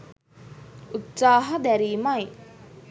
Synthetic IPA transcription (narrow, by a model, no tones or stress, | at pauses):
ut̪saːɦɐd̪æɾiːmɐj